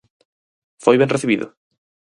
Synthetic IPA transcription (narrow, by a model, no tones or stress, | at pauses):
fojβɛ̃ŋreθiβiðʊ̰